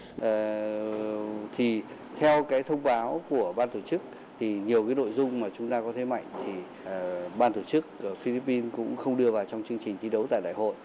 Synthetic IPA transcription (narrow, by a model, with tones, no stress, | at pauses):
ʔəː˨˩ | t̪ʰi˨˩ | t̪ʰɛ˧wkaː˨˦jt̪ʰə˧wŋ͡mɓaː˨˦wku˧˩əɓaː˧nt̪o˧˩t͡ɕɨ˦˥k̚ | t̪ʰi˨˩ɲi˨˩əwkaː˨˦jno̰˧˨jzʊ˧ŋ͡mmaː˨˩t͡ɕʊ˨˦ŋ͡mt̪aː˧kɔ˨˦t̪ʰe˨˦ma̰˧˨jŋ̟t̪ʰi˨˩ | ɓaː˧nt̪o˧˩t͡ɕɨ˦˥k̚ə˧˩fi˧li˦˥pːi˧nkʊ̰˧˥ŋ͡mxə˧wŋ͡mɗɨ˧əvaː˨˩wt͡ɕɔ˧wŋ͡mt͡ɕɨ˧əŋt͡ɕi˨˩ŋ̟t̪ʰi˨˦ɗə˨˦wt̪a̰ː˧˨ɗa̰ː˧˨jho̰˧˨j